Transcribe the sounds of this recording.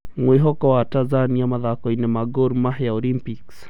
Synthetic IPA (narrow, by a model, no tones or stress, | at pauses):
mweɦɔkɔwatazaniamaðakɔinɛmaɡɔɾmahjaɔlimpiks